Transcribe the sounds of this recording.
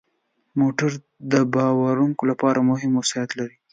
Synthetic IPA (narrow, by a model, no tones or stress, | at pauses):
moʈaɾ | d̪əbɑwaɾuŋkolapɑɾamʊɦɪmasjat̪laɾi